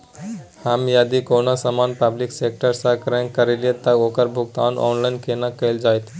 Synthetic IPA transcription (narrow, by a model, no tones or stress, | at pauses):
hamjad̪ikonasəmanpəbliksek̚ʈəɾsakɾɛ̃ŋkəɾeljet̪əoːkəɾbʱʊɡ̚t̪anʔɔ̰nlaɪnkʰenakəɪld͡ʒaːjt̪ʰi